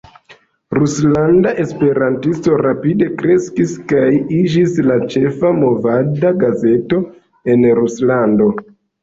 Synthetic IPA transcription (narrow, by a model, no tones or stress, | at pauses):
ɾuslandaʔe̞spe̞ɾantisto̞ɾapide̞kɾe̞skiskajid͡ʒislat͡ʃe̞famo̞vadaɡaze̞to̞ | e̞nɾuslando̞